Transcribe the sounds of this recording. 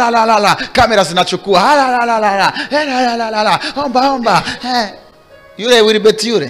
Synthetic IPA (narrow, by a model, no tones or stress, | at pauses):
alalalakameɾas̬inat͡ʃukuahalalalalalaɛɾalalalalaɔmbaɔmbaɛ | juɾewiɾibetiuɾḛ